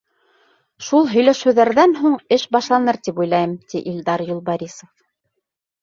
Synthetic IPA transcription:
ʃulˠɦɵ̆jlæʃɘ̆wðæɾðænɦuɴɘʃbɑʃlˠɑnɤɾt̪ipujlˠɑjɤmt̪iʔild̪ɑɾjulˠbɑɾʲisof

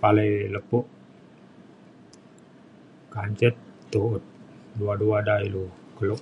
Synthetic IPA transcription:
paləjləpʊʔ | kaɲt͡ʃət̪̚ː | uʊt̪̚duaduadailukəlʊʔ̚

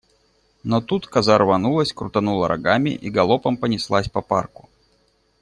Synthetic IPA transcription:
nɔt̪ut̪kazarvanulˠəsʲkɾʊt̪anulˠɐɾʔa̰ɡamʲɪ̰ʔiɡɐlˠɔpɐmpənʲɪslˠasʲpɐparkʊ̥

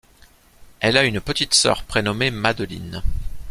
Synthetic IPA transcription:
ɛlaynpət̪it̪sœ̰ʁpχenɔmemad̪əlḭn

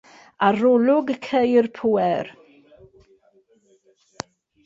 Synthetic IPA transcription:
aɾɔlʊɡkʰejrpʰuɛɾ

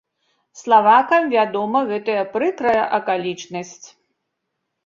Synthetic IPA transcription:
slˠavakɐmvʲad̪ɔmɐɣɛt̪ɐjɐpɾɨkɾɐjɐʔɐkalʲit͡ʂnɐsʲt͡sʲ

